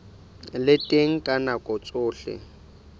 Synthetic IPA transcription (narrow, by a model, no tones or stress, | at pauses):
lɪtʼeŋ̩kʼanakʼɔt͡sʼʊːɬɪ̰